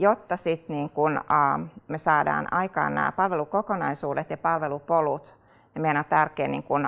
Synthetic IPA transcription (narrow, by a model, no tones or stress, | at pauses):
jot̪ːɑsit̪niːŋkunː | mesɑːdɑ̰ːnɑikɑ̰ːnnæ̰ːpɑlʋelukokonɑisuːdet̪jɑpɑlʋelupolut̪ | menot̪t̪ærkeːnnḭːŋkun